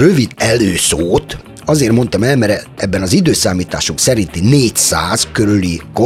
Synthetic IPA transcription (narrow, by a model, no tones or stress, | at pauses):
røvid̪ɛløːsoːt̪ | ɒzeːrmo̞nt̪ɒmɛlmɛɾɛɛbːɛnɒzid̪øːsaːmiːt̪aːʃuŋksɛɾint̪ineːcsaːzkøɾyliko